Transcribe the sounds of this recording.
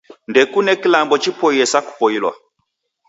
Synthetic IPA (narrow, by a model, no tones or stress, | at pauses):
ndɛkunɛkilambɔt͡ʃipɔiɛsaku̥pɔilwɔ̰